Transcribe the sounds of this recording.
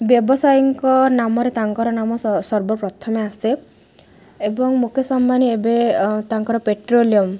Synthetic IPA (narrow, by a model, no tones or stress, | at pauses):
bjɔbɔsajɔŋkɔnamɔɾet̪aŋkɔɾɔnamɔsɔɾbɔpɾɔt̪ʰɔmease | ebɔŋmukʰjɔsambaniebet̪aŋkɔɾɔpeʈɾoliɔm